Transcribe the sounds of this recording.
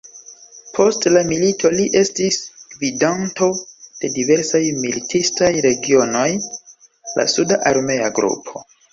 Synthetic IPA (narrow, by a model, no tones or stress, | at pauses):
pʰo̞stlamilitʰo̞liʔe̞stisvidanto̞d̥e̞dive̞ɾsajmilitʰistajɾe̞ɡio̞no̞j | la̰sudaʔaɾme̞aɡɾṵpʰo̞